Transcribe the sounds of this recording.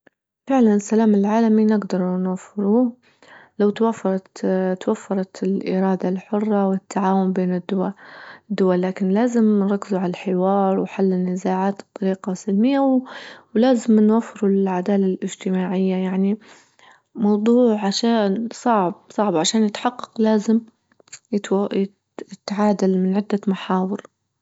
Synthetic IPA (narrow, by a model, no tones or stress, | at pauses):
fɪʕlanɪsːalaːmɪlʕaːlaminɪɡd̪ɑɾˤnwafːɪɾuː | lawt̪wafːɑɾˤɑt̪t̪wafːɑɾˤɑt̪ɪlʔɪ̰ɾˤɑːd̪alħʊrˤːɑwɪt̪ʰːaʕaːwʊmbeːnɪd̪ʊ | d̪ːʊwalːaːkɪnlaːzɪmnɾˤɑkːɪzuʕalalħɪwɑːɾˤwħalːɪnːɪzaːʕaːt̪bt̪ˤːɑɾiːqɑsalmɪjːawwlaːzɪmnwafːɪɾʊlʕad̪aːlalʔɪd͡ʒt̪ɪmaːʕɪjːajaʕni | mɑwd̪ˤuːʕʕaʃaːnsˤɑʕb̚sˤɑʕbʕaʃaːnjɪt̪ħɑqːɑ̥qlaːzɪm | j | ɪt̪ʕaːd̪ɪlmɪnʕɪd̪ːamaħaːwɪɾ